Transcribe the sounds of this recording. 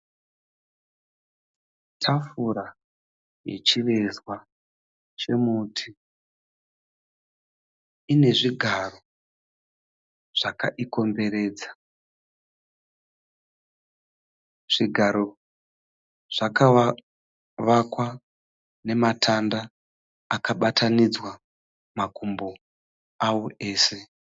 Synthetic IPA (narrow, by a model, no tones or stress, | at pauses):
tʰafuɾa | jḛt͡ʃiʋe̞zwa | t͡ʃe̞muːtʰi | ine̞ʐiɡʱaro̞ | ʐ̥aka̰ʔiko̞mbe̞ɾe̞ːd͡zḁ | ʐ̥iɡʱaɾo̞ | ʐ̥aka | ʋakwa | ne̞matʰandaː | kaɓatʰanid͡zwa | makʰumbo̞ | awoʔe̞ːse̞